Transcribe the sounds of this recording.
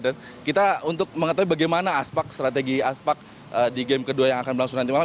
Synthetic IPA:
dan | kit̪aunt̪ʊk̚məŋət̪aɦwuibaɡajmanaːspak̚st̪ɾat̪̬eɡiaspak̚ | ədiɡɛmkəduajaŋakanbəɾlaŋsuŋnant̪imala

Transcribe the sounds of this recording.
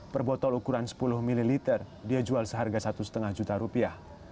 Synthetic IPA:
pərbɔt̪ɔlukuɾansə̥pulʊhmililit̪ɛr | diad͡ʒualsəɦarɡasat̪usət̪əŋahd͡ʒut̪aɾupiah

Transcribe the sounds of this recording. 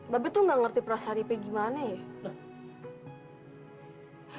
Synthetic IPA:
babɛt̪uŋɡaŋərt̪ipəɾasaɾipeɡimanəjɛ

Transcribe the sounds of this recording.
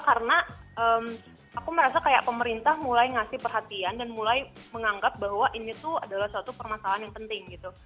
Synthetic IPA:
kaɾənaəːm | akuməɾasakajaʔpəməɾint̪ahmulajŋasɪhpərɦat̪iandanmulajməŋaŋɡap̚baɦwaʔinit̪uadalahsuat̪upərmasalaɦanjaŋpənt̪ɪŋɡit̪u

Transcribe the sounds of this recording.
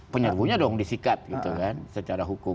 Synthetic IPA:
pəɲərvuɲadɔŋdisikat̪̚ɡit̪ukansət͡ʃaɾaɦukʊ

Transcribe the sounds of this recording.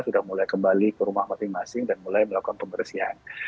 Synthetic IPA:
sudahmulajkəmbalikəɾumahmasɪŋmasɪŋdanmulajməlakukanpəmərsiɦa̰n

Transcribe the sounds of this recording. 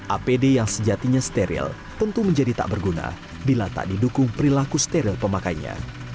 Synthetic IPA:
ʔapedejaŋsəd͡ʒat̪iɲast̪eɾḭl | t̪ənt̪uməɲd͡ʒadit̪a̰ʔbərɡuna̰ | bilat̪a̰ʔdidukʊŋpəɾilakust̪eɾilpəmakajɲa̰

